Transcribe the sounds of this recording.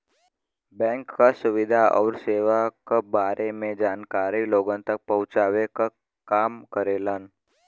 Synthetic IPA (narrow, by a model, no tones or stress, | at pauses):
bɛ̃ŋkːasʊʋid̪ʱaʔə̰ʋɾseʋakəbaɾemẽd͡ʒankaɾiloɡənt̪ək̚pəɦũt͡ʃaʋekə | kamkəɾelən